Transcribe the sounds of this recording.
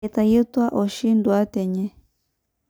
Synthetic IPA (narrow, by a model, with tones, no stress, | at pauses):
ɛ˨t̪a˨ji˦t̪wa˦ʔɔ˨ʃi˦ndu˨a˦t̪ɛ˨ɲɛ˦